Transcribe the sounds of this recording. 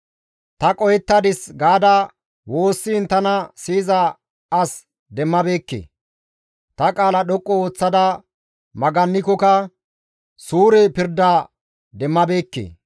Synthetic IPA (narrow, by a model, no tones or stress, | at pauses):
t̪ɐkʼɔjɛt̪ːɐd̪ɪsɡaːd̪ɐ | wo̞ːsːint̪ɐnɐsiːzɐ | ɐs | d̪ɛmːɐbe̞ːkːḛː | t̪ɐkʼaːlɐɗɔkʼːɔoːt͡sːɐd̪ɐ | mɐɡɐnːɪkɔkɐ | suːɾɛpɪɾd̪aː | d̪ɛmːɐbe̞ːkːḛː